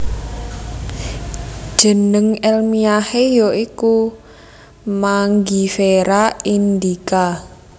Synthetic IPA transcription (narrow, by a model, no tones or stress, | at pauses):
d̥ʒ̥ə̤nəŋɛlmiahejɔiku | maŋɡifeɾaind̪ika